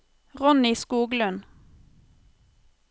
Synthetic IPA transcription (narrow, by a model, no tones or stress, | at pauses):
ʁɔniːskuːɡlʉn